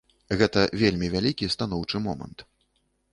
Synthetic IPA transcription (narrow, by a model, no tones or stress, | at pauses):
ɣɛt̪ɐvʲelʲmʲivʲalʲikʲist̪anɔwt͡ʂɨmɔmɐ̰nt̪